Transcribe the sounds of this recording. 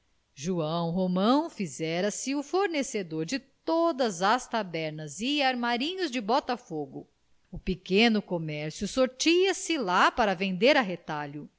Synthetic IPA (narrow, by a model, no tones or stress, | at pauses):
ʒuɐ̃w̃ɦomɐ̃w̃fizɛɾɐsɪʊfoɾnesed̪oɾd͡ʒɪtt̪od̪ɐzɐst̪abɛɾnɐziaɾmaɾĩɲʊzd͡ʒɪbɔt̪ɐfoɡʊ | ʊpikẽnʊkomɛɾsjʊsoɾt͡ʃiɐsɪlapaɾɐvẽnd̪eɾɐɦet̪aʎʊ